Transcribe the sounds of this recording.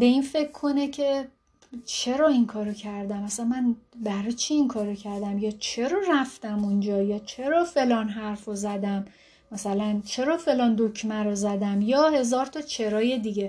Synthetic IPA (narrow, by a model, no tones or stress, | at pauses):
be̞infe̞kcʰːo̞necʰe̞ | t͡ʃʰe̞ɾɒːiŋkʰɒːɾocʰæɾd̪æmæsænmænbæɾɒt͡ʃʰiiŋkʰɒːɾocʰæɾd̪æmjɒːt͡ʃʰe̞ɾɒːræft̪æmund͡ʒɒːjɒːt͡ʃʰe̞ɾɒːfe̞lɒːnɦæɾfozæd̪æmː | æsælænt͡ʃʰe̞ɾɒːfe̞lɒːnd̪ocʰmæɾozæd̪æmjɒːhe̞zɒːɾt̪ʰɒt͡ʃʰe̞ɾɒːje̞d̪iɟe